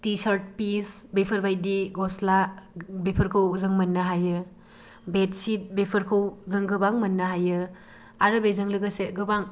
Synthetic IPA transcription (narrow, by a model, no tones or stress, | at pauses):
tisaɾt̚pisbepʰɐɾbajdiɡɔslabepʰɐɾkʰɐwzɯŋmɐnːɐɦajɯ | bet̚sit̚bepʰɐɾkʰɐwzɐŋɡɯbaŋmɐnːɐɦajɯ | aɾɯbezɐŋlɯɡɐsetɡɯbaŋ